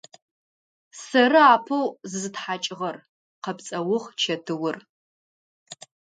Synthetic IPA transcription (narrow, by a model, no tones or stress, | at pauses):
sɐɾɨaːpʰɨwzɨzɨtħat͡ʃʼɪʁɐr | qɐpt͡sʼɐwʊʁt͡ʃʰɐtʰɨwʊr